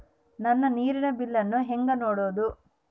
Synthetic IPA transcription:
nɐnːɐniːɾinɐbilːɐnːuɦeŋɡɐnoːɽoːd̪u

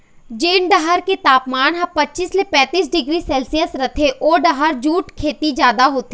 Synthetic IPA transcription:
d͡ʒeːnɖɐɦəɾket̪aːpmaːnɦɐ̃pɐtːt͡ʃislepɛ̃ːt̪iːs̬ɖɪɡɾisɛːlsijəsɾɐt̪ʰeʔoːɖɐɦəɾd͡ʒuːʈkʰeːt̪id͡ʒjaːd̪aɦoːt̪iː

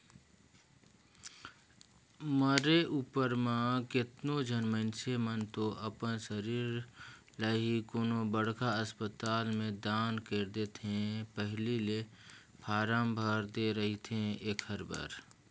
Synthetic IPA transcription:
məɾeʔuːpəɾmãkɪt̪nod͡ʒʱənmə̃nsemənt̪oʔəpənsəɾiːɾ | ləɦikonobəɽkaəspət̪aːlmẽd̪aːnkeɾd̪et̪ʰẽpəɦlilepʰaːɾaːmbʱəɾd̪eɾəɦit̪ʰẽeːkhəɾbə̰ɾ

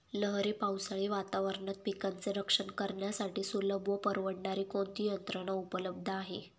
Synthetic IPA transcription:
ləɦɾipawsaɭiːʋat̪aʋəɾɳət̪̚pikant͡seɾəkʂəɳkəɾɳjasaʈiːsuləbʋəpəɾʋəɽɳaɾiːkont̪iːjənt̪ɾəɽaupələb̚d̪ʱəaɦe

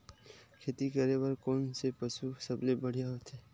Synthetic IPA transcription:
kʰeːt̪ikɐɾebɐɾkoːnsepəsusɐblebəɽ̤ijaɦot̪ʰeː

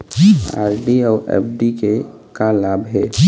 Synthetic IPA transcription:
a̰ːɾɖiɔːɾɛ̰ːpʰɖike | kalaːbɦɛː

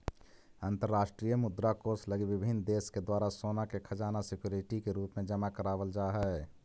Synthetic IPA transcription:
ə̃nt̪əɾːaːʃʈɾijəmʊd̪ɾakosləɡiʋɪbʱɪnːd̪eːsked̪waːɾasoːnakekʰəd͡ʒaːnasɪkjoːɾɪʈikeɾuːpmẽd͡ʒəmakəɾaːʋəld͡ʒaːɦɛ

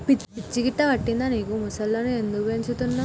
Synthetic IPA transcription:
pipit͡ʃːiɡiʈːɐʋɐʈːind̪aːniːkumusɐlːoːnue̞nd̪ukuʋeɲt͡ʃut̪unːaː

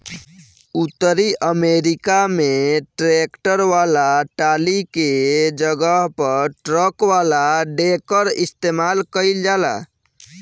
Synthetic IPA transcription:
ut̪ːəɾiʔəmeɾikameʈɾekʈəɾʋalaʈaliked͡ʒəɡəɦpəɾʈɾəkʋalaɖekəɾist̪emalkəɪld͡ʒala̰

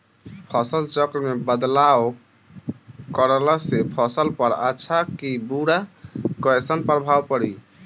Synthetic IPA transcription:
pʰɔsəlt͡ʃɔkɾmebəd̪law | kɔɾəlasepʰɔsəlpɔɾa̰ːt͡ʃʰakibuɽakɔesənpəɾbʱawpəɾi

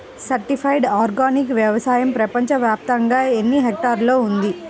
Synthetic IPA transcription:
sɐɾʈipʰɐjɖaːɾɡaːnikʋjɐʋɐsaːjɐmpɾɐpɐɲt͡ʃɐʋjaːp̚t̪ɐŋɡaːenːiɦeːk̚ʈaːɾloːund̪i

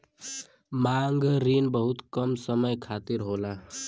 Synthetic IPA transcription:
maŋɡɾinbəɦut̪kəmsəməjkʰat̪iɾɦola

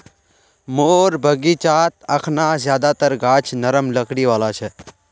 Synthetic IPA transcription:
moːɾbʱəɡiːt͡ʃaːt̪əkʰnazjaːd̪at̪əɾɡaːt͡ʃʰnəɾəmləkɽiʋaːlat͡ʃʰɛ

